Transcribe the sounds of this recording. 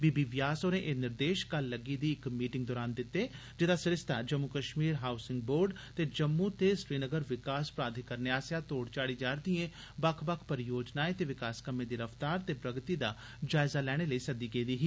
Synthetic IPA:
biːbiːʋjaːsoːɾẽːʔeːnɪɾd̪eːʃkəlːəɡiːd̪iːɪkmiːʈɪ̃ŋɡd̪oːɾaːnd̪ɪt̪ːeː | d͡ʒɪd̪aːsɪɾɪst̪ʰa̰ːd͡ʒəmːuːkəʃmiːɾɦaːʊsɪŋɡboːɾɖ | t̪eːd͡ʒəmːuːt̪eːsɾiːnəɡəɾʋɪkaːspɾaːd̪ʱikəɾneaːsjaːt̪oːɽt͡ʃaːɽiːd͡ʒaːɾd̪iẽː | bəkʰbəkʰpəɾɪjoːd͡ʒnaːeːt̪eːʋɪkaːskəmẽːd̪iːɾəft̪aːɾt̪eːpɾəɡt̪iːd̪a̰ː | d͡ʒaːɪzaːlɛːɽ̃eːləiːsəd̪iːɡeːd̪iːɦiː

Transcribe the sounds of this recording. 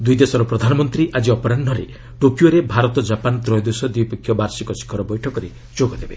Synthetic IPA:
d̪ujd̪esɔɾɔpɾɔd̪ʱanɔmɔnt̪ɾiʔad͡ʒiɔpɔɾanːɔɾḛ | ʈokjoɾebʱaɾɔt̪ɔd͡ʒapant̪ɾɔjd̪osɔd̪ipekʰːjɔbaɾsikɔt͡ʃi̥kʰɔɾɔbɔjʈʰɔkɔɾe | d͡ʒoɡɔd̪ebe

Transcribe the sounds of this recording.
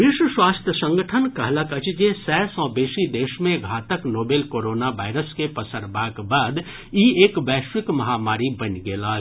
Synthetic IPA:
ʋɪʃwəʃwaːst̪ʰjəsə̃ŋɡəʈʰənkəɦləkət͡ʃd͡ʒesɛːsɔ̃ːbeːʃid̪eːʃmẽɡʱaːt̪əknoːbeːlkoːɾoːnaʋaːɪɾəskepəsəɾbaːkbaːd̪ | iːeːkʋɛːʃʋɪkmɐɦaːmaːɾibənɡeːlaː

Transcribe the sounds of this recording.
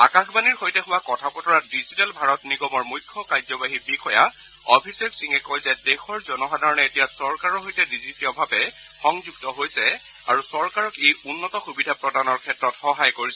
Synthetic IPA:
akaxbaniɹhojtɛxʊwakɔtʰapɔtɔɹadizitalbʱaɹɔtniɡɔmɔɹmujkʰːɔkajzɔbaɦibixɔja̰ | ɔpʰisɛbsiŋɛkojzɛdexɔɹzɔnɔɦadaɹɔnɛetijasɔɹkaɹɔɦojtɛdizitiɔbʱabɛ | xɔŋzuɡtɔɦojsɛ | a̰ɹusɔɹkaɹɔkejunːɔtɔxubidʱapɹɔdanɔɹkʰɛtɹɔtxɔɦajkoɹisɛ

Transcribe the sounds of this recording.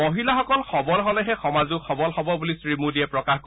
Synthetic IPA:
oɦilaxɔkɔlxɔbɔlɦɔlɛɦɛxɔmazʊkxɔbɔlhɔbɔbulisɹimudiɛpɹɔkaxko

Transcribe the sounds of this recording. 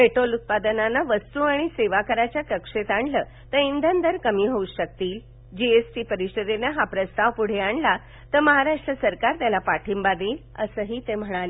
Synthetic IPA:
peʈolut̪̚pad̪ənanːaʋəst̪uaɽ̃iseʋakəɾat͡ɕjakəkʂet̪aɳləː | t̪əind̪ʱənd̪ʱəɾkəmiːɦouɕək̚t̪iːl | d͡ʑiesʈiːpəɾiɕəd̪enaɦapɾəst̪aʋpuɽ̤eaɳla | t̪əɾməɦaɾaʂʈɾəsəɾkaɾt̪jalapaʈʰimbad̪eːl | ə̰səːɦiːt̪em̤əɽ̃ali

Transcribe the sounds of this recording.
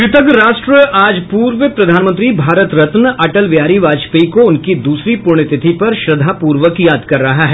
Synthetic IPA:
kɾɪt̪əɡɾaːʃʈɾəʔaːd͡ʒpuːɾʋəpɾɐd̪ʱaːnmə̃nt̪ɾibʱaːɾət̪ɾɐt̪nʔɐʈəlʋjaːɾiʋaːd͡ʒpiiːkoʊnkid̪uːsɾipʊɾɳ̃ɪt̪ɪt̪ʰipɐɾʃɾɐd̪ʱapuːɾʋəkjaːd̪kɐɾːɐɦaɦɛː

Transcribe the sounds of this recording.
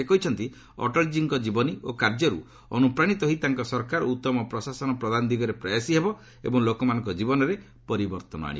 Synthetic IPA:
ekɔɦit͡ʃʰɔnt̪i | ɔ̰ʈɔld͡ʒiŋkɔd͡ʒibɔniokaɾd͡ʒɔɾṵ | ɔ̰nupɾaɽ̃it̪ɔɦit̪aŋkɔsɔɾkaɾɔut̪ːɔmɔpɾɔsasɔnɔpɾɔd̪and̪iɡɔɾepɾajasiɦebɔ | ebɔŋlokɔmanɔŋkɔd͡ʒibɔnɔɾe | pɔɾibɔɾt̪ɔnɔ̰a̰ɽ̃ḭ

